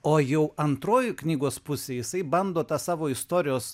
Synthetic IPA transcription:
oːjɛʊɐnt̪ɾoːjʊknʲiːɡoːspʊsʲeːjɪsɐɪbɐnd̪oːt̪ɑsɑːʋoːɪst̪oːɾʲɪjoːs

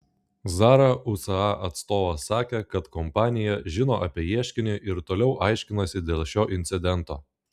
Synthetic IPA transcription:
zɑːɾɐʔʊsɐɑʔɐt̪st̪oːʋɐsɑːkʲekɐt̪kɔmpɑːnʲɪjɛʒʲɪnoːʔɐpʲiɛjiɛʃʲkʲɪnʲɪʔɪɾt̪oːlʲɛʊʔɑˑɪʃʲkʲɪnɐsʲɪd̪ʲeːlˠʃʲoːʔɪnʲt̪sʲɪd̪ʲɛnˑt̪o̰ː

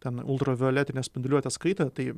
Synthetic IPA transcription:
t̪ʲɛnʊ̰lˠt̪ɾoːʋʲɪolʲæːt̪ʲɪnʲɛsʲpʲɪnd̪ʊlʲuɔt̪ʲɛskɐɪt̪ʲɛt̪ɐɪ

